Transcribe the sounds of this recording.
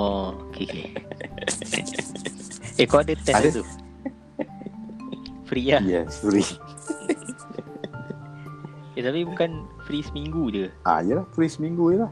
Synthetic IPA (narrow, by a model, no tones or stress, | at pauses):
ookʰe | ekɔdət̪ɛst̪u | fɾilajɛ̰sfɾi | jet̪apibukanfɾisəmiŋɡud͡ʒuʔa̰ijəlahfɾisəmiŋɡujəlah